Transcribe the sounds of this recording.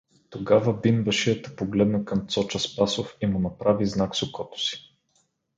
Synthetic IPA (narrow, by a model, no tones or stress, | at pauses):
t̪oɡavəbinvɐʃiət̪ə̥poɡlɛd̪nɐkɐmt̪sɔt͡ʃəspasofimʊnɐpɾaviznaksʊkɔt̪ʊ̥si̥